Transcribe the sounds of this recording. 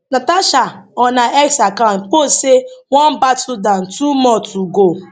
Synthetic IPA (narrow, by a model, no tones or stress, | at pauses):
nataʃaɔnaʔɛksakank͡posewɔnbatʊdan̩tumɔtuɡo